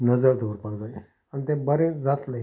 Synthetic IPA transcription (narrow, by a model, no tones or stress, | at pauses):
nəd͡zəɾd̪ʱoɾpaɡd͡zaj | ant̪ẽbəɾẽd͡zat̪lə